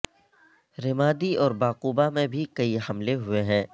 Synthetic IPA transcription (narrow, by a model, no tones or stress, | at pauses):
ɾɪmaːd̪iɔːɾbaːquːbamẽbʱikɐihɐmleɦʊeɦɛ̃ː